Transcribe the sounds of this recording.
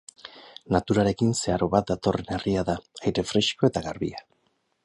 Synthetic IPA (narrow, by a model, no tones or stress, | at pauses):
nat̪uɾaɾe̞kinse̞aɾo̞βat̪̚d̪at̪o̞re̞ne̞riaðaajɾe̞fɾe̞ʃko̞e̞t̪aɣaɾβia